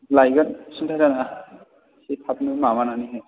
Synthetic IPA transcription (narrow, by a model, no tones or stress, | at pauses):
lajɡansuntʰajzana | sipʰap̚numamananiɦɛ